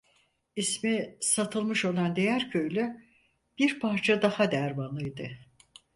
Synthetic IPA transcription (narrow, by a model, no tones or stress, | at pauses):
ismisat̪ʰɯlˠmɯʃo̞lˠand̪ejæɾcʰøjlʲy | b̥iɾpʰaɾt͡ʃʰad̪ahad̪æɾmanˠɯjd̪ɯ